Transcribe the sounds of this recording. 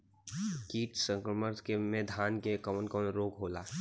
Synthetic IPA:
kiːʈsə̃ŋkɾəməɾskemẽd̪ʱaːnkekəmənkɔːnɾoːkɦoːlaː

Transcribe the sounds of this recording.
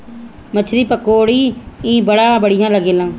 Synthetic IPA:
mət͡ʃʰɾiːpəkːoːɽiːĩːbəɽãːbəɽɪjãːləɡeːlãː

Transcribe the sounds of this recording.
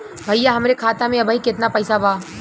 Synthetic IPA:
bʱɐjːaɦɐmɾekʰaːt̪amẽɐbʱaːikɪt̪napɐjsabaː

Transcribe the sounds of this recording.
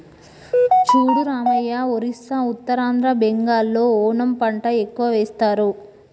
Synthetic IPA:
t͡ʃuːɽuɾaːmɐjaoɾisːaut̪ːɐɾaːnd̪ɾɐbeŋɡaːlːo̞ːɔːnɐmpɐɳʈɐekːuʋɐʋɛːst̪aːɾu

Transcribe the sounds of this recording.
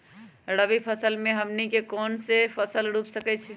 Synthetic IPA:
ɾəbipʰəsəlmeɦəmnikekonsepʰəsəlɾupsəkɛt͡ʃʰi

